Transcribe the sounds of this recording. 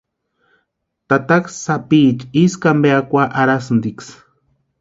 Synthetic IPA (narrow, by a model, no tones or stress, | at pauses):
t̪at̪aksapiːt͡ʃiskambeakʷaʔaɾasnd̪iks